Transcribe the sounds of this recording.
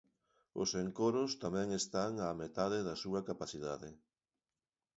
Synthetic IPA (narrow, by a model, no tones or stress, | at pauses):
ʊ̰seŋkoɾʊst̪amɛ̃ŋest̪aŋamet̪aðɪðɐsuɐkapaθiðaðɪ